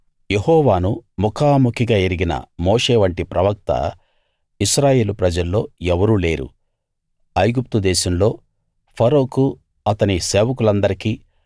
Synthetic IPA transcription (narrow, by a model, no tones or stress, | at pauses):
je̞ɦɔːʋaːnumukʰaːmukʰiɡaːeɾiɡinɐ̰mo̞ːʂe̞ːʋɐɳʈipɾɐʋɐk̚t̪ɐ̰ | iʃɾaːje̞ːlupɾɐd͡ʒɐlːo̞ːɛʋɐɾuːle̞ːɾṵ | ɐjɡup̚t̪ud̪ɛːʃɐmlo̞ː | pʰɐɾo̞ːku | ɐt̪ɐnise̞ːʋɐk̬ulɐnd̪ɐɾikiː